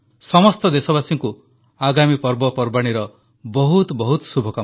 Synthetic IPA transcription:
sɔmɔst̪ɔd̪esɔbasiŋku | aɡamipɔɾbɔpɔɾbaɽ̃iɾɔ | bɔɦut̪bɔɦut̪subʱɔka

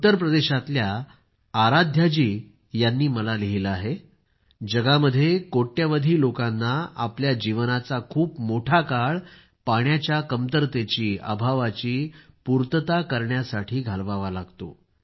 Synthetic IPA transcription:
ut̪əɾp̬ɾəd̪eɕat̪ljaː | ɾad̪ʱjad͡ʑiː | janːiːməlaliɦilaɦe | d͡ʑəɡaməd̪ʱːjekoʈːjaʋəd̪ʱiːlokanːaa̰pljad͡ʑiʋnat͡sakʰuːpmoʈʰakaɭ | paɳjat͡ɕjakəmt̪əɾt̪et͡ɕiːa̰bʱaʋat͡ɕiːpuɾt̪ət̪akəɾɳjasaʈʰiːɡʱalʋaʋalaɡt̪o̰

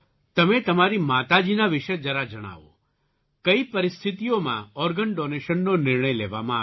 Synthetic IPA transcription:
t̪ɐmẽt̪ɐmaɾimaːt̪ad͡ʒiːnaʋɪʃəd͡ʒəɾad͡ʒɐɽ̃a̰ːʋo̰ | kəipɐɾɪst̪ʰɪt̪ijomã̰ɔːɾɡəɳɖoːneːʃənːonɪɾɳəjlḛːʋa̰mã

